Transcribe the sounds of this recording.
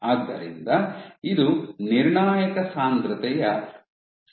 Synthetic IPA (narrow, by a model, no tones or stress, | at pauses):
aːɡd̪ːɐɾḭnd̪ɐid̪uniɾɳaːjɐkɐsaːnt̪ɾɐt̪ɛjɐ